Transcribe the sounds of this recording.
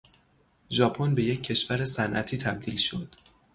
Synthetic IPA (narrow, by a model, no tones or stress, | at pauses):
ʒɒːpʰonbe̞je̞cʰːe̞ʃvæɾe̞sænʔæ̰t̪ʰiːt̪ʰæb̚d̪iːlʃo̞d̪̥